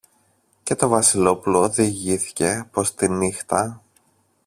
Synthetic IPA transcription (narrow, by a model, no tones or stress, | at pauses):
ce̞t̪o̞vɐsilo̞pulo̞ðiʝiθi̥ce̞po̞st̪inixt̪ɐ